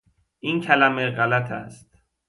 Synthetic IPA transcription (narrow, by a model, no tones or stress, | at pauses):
ʔiːncʰælæmeɣælæt̪ʰæ̰st̪̚